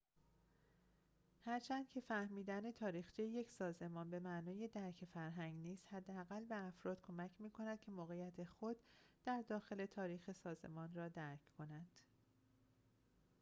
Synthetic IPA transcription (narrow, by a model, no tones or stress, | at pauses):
hæɾt͡ʃʰænd̪̥cʰe̞fæhmiːd̪æne̞t̪ʰɒːɾiːxt͡ʃʰijje̞cʰsɒːze̞mɒːnbe̞mænɒːje̞d̪æɾcʰefæɾɦæŋɡniːst̪hæd̪ːeæɣælbe̞æfɾɒːd̪̥̚kʰo̞mæcʰmiːkʰo̞næd̪̥̚cʰe̞moːɣejæt̪ʰe̞xo̞d̪̥ːæɾd̪ɒːxe̞le̞t̪ʰɒːɾiːxe̞sɒːze̞̰mɒːnɾɒːd̪æɾcʰkʰo̞nænd̪̥